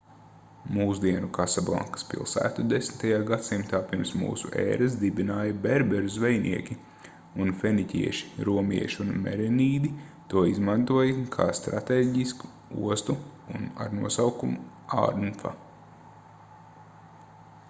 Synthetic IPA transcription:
muːsd̪iɛnukasablˠa̰ŋkɐ̥spḭlˠsæ̰ːt̪ud̪esnt̪ajaːɡat̪simt̪aːpiɾmsmṵːsuʔɛ̰ːɾas̬d̪ibinaːjɐbɛɾbɛɾuzʋɛjnʔḭɛkʲi | unfɛnicʲḭɛʃi̥ɾuɔmḭɛʃunmɛ̰ɾɛniːd̪it̪uɔizmant̪uɔjɐkʰaːst̪ɾa̰t̪eːɟisku̥ | ṵɔst̪uuna̰ɾnuɔsawkumu | a̰ɾnfa̰

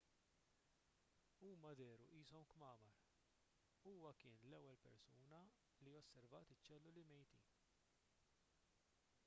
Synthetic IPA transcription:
uːmɐd̪ɛːɾuʔiːsɔmkmɐːmɐɾ | uːwɐkɪːnlɛwːɛlpɛ̰ɾsuːnɐ | lijɔsːɛɾvɐʔt̪ɪt͡ʃːɛlːulɪmɛjt̪iːn

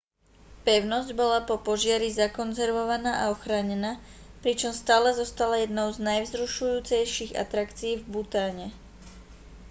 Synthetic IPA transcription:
pɛʊnɔzɟbɔlapɔpɔʒɪaɾizakɔnzɛɾʋɔʋanaːʔaɔxɾaːɲɛnaːpɾit͡ʃɔmst̪aːlɛzɔst̪alajɛd̪nɔʊznajvzɾuʃujuːt͡sɛjʃiɣa̰t̪ɾakt͡siːvbut̪aːɲɛ

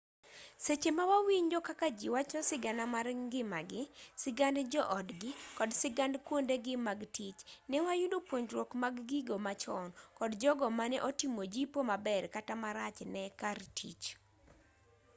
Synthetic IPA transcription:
set͡ʃemawawiɲd͡ʒɔkakad͡ʒiwat͡ʃɔsɪɡanamarɡɪmaɡɪsɪɡandd͡ʒɔʔɔdɡɪkɔdsɪɡandkwondeɡɪmaɡtit͡ʃnɛwajudopwoɲd͡ʒɾwokmaɡːiɡomat͡ʃɔnkɔdd͡ʒɔɡɔmanɛʔɔtimod͡ʒipomabɛrkatamaɾat͡ʃnɛkartʰḭt͡ʃ

